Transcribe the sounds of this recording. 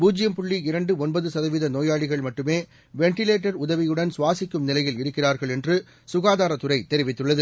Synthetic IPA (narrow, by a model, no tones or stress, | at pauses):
buːd͡ʒɪjɐmpʊɭːiɪɾɐɳɖɯɔnbɐðɯsɐðɐʋɪðɐnoːjaːɭɪɣɐɭmɐʈːɯmeː | ʋɛɳʈɪleːʈːɐɾʊðɐʋɪjɯɽɐnsʊʋaːsɪkːɯmnɪlɐjɪlɪɾɯkːɪraːɾɣɐɭɛndrɯ | sʊɣaːðaːɾɐt̪ːɯrɐɪt̪ːɛɾɪʋɪt̪ːɯɭːɐðɯ